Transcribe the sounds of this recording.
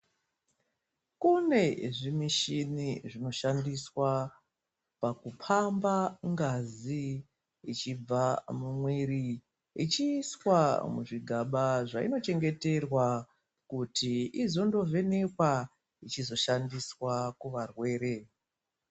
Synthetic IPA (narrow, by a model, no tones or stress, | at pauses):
kune̞ʐimiʃiniʐino̞ʃandiswa | pakupʰambaŋɡazi | it͡ʃib͡vamumweɾi | it͡ʃiswamuʐiɡʱaɓaʐaḭno̞t͡ʃe̞ŋɡe̞te̞rwa | kutiizo̞ndo̞ve̞ne̞kwa | it͡ʃizo̞ʃandiswakuʋarwe̞ːɾe̞